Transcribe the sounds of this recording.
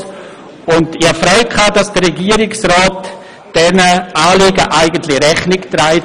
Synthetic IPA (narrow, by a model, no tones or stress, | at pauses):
ʊndɪɑfɾœʏkʰχaːdɑsd̥əɾɛɡiːəɾɪksraːt | d̥ɛnəʔaːliːɡəʔaɪɡəntlɪɾɛχnɪktɾaɪ